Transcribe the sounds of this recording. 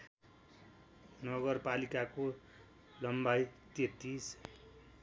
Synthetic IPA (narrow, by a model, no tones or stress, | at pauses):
nʌɡʌrpalikako | lʌmbajt̪et̪is